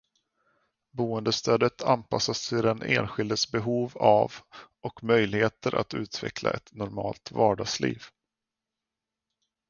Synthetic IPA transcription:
buːənd̪əst̪ʰøːd̪ət̪ʰanpʰasːasɪɾɛnʔḛːnɧɪld̪əsbɛɦuːva̰v | ɔkmœjlɪheːt̪əɾʔa̰t̪ʉ̟̰ːt̪ʰvɛ̰kʰla̰ʔɛt̪nɔɾmɑ̰ːlt̪vɑːɖɑːɡslḭːv

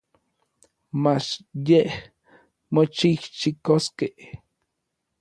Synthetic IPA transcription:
mat͡ʃjeh | mot͡ʃiht͡ʃikoskeh

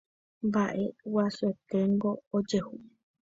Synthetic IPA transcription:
mbaʔe̞waset̪e̞ŋɡo̞ːd͡ʒehu

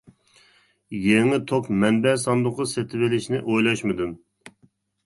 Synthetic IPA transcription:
jeŋɪt̪ʰokmɛnbɛsɑnd̪ʊqːɑset̪ʰɪvɪlɪʃnɪʔojlˠɑʃmɨd̪un

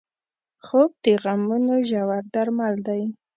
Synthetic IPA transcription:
xopeɣamunoʒawaɾd̪aɾmald̪aj

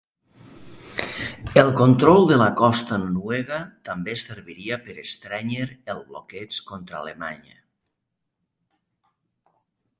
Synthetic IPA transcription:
elˠkont̪ɾɔlˠd̪elakɔst̪anonweɣat̪ambeseɾβiɾiapeɾest̪ɾɛɲeɾelˠβlokɛt͡skont̪ɾa̰lema̰ɲə̰

